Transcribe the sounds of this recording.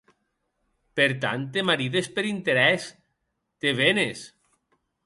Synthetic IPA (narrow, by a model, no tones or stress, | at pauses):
peɾt̪a̰nt̪emaɾiðespeɾint̪eɾɛs | t̪eβenes